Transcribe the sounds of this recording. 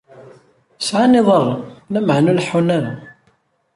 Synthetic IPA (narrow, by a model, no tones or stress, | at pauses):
sʕanɪðˤərˤːnæməʕnulħːunaɾa